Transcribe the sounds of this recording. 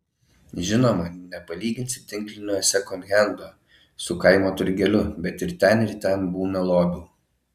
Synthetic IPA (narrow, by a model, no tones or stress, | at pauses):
ʒʲɪnoːmɐnʲɛpɐlʲiːɡʲɪnʲt̪sʲɪt̪ʲɪŋʲklʲɪnʲoːjsʲɛkɔnɣʲɛnd̪oː | sʊkɐɪmoːt̪ʊɾʲɡʲɛlʲʊbʲɛt̪ɪɾt̪ʲɛnɪɾt̪ʲɛnbuːnɐlˠoːb̪ʲuː